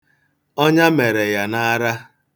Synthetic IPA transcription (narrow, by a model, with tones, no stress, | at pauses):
ɔ˦ɲa˦me˨ɾe˨ja˨na˦ɾa˦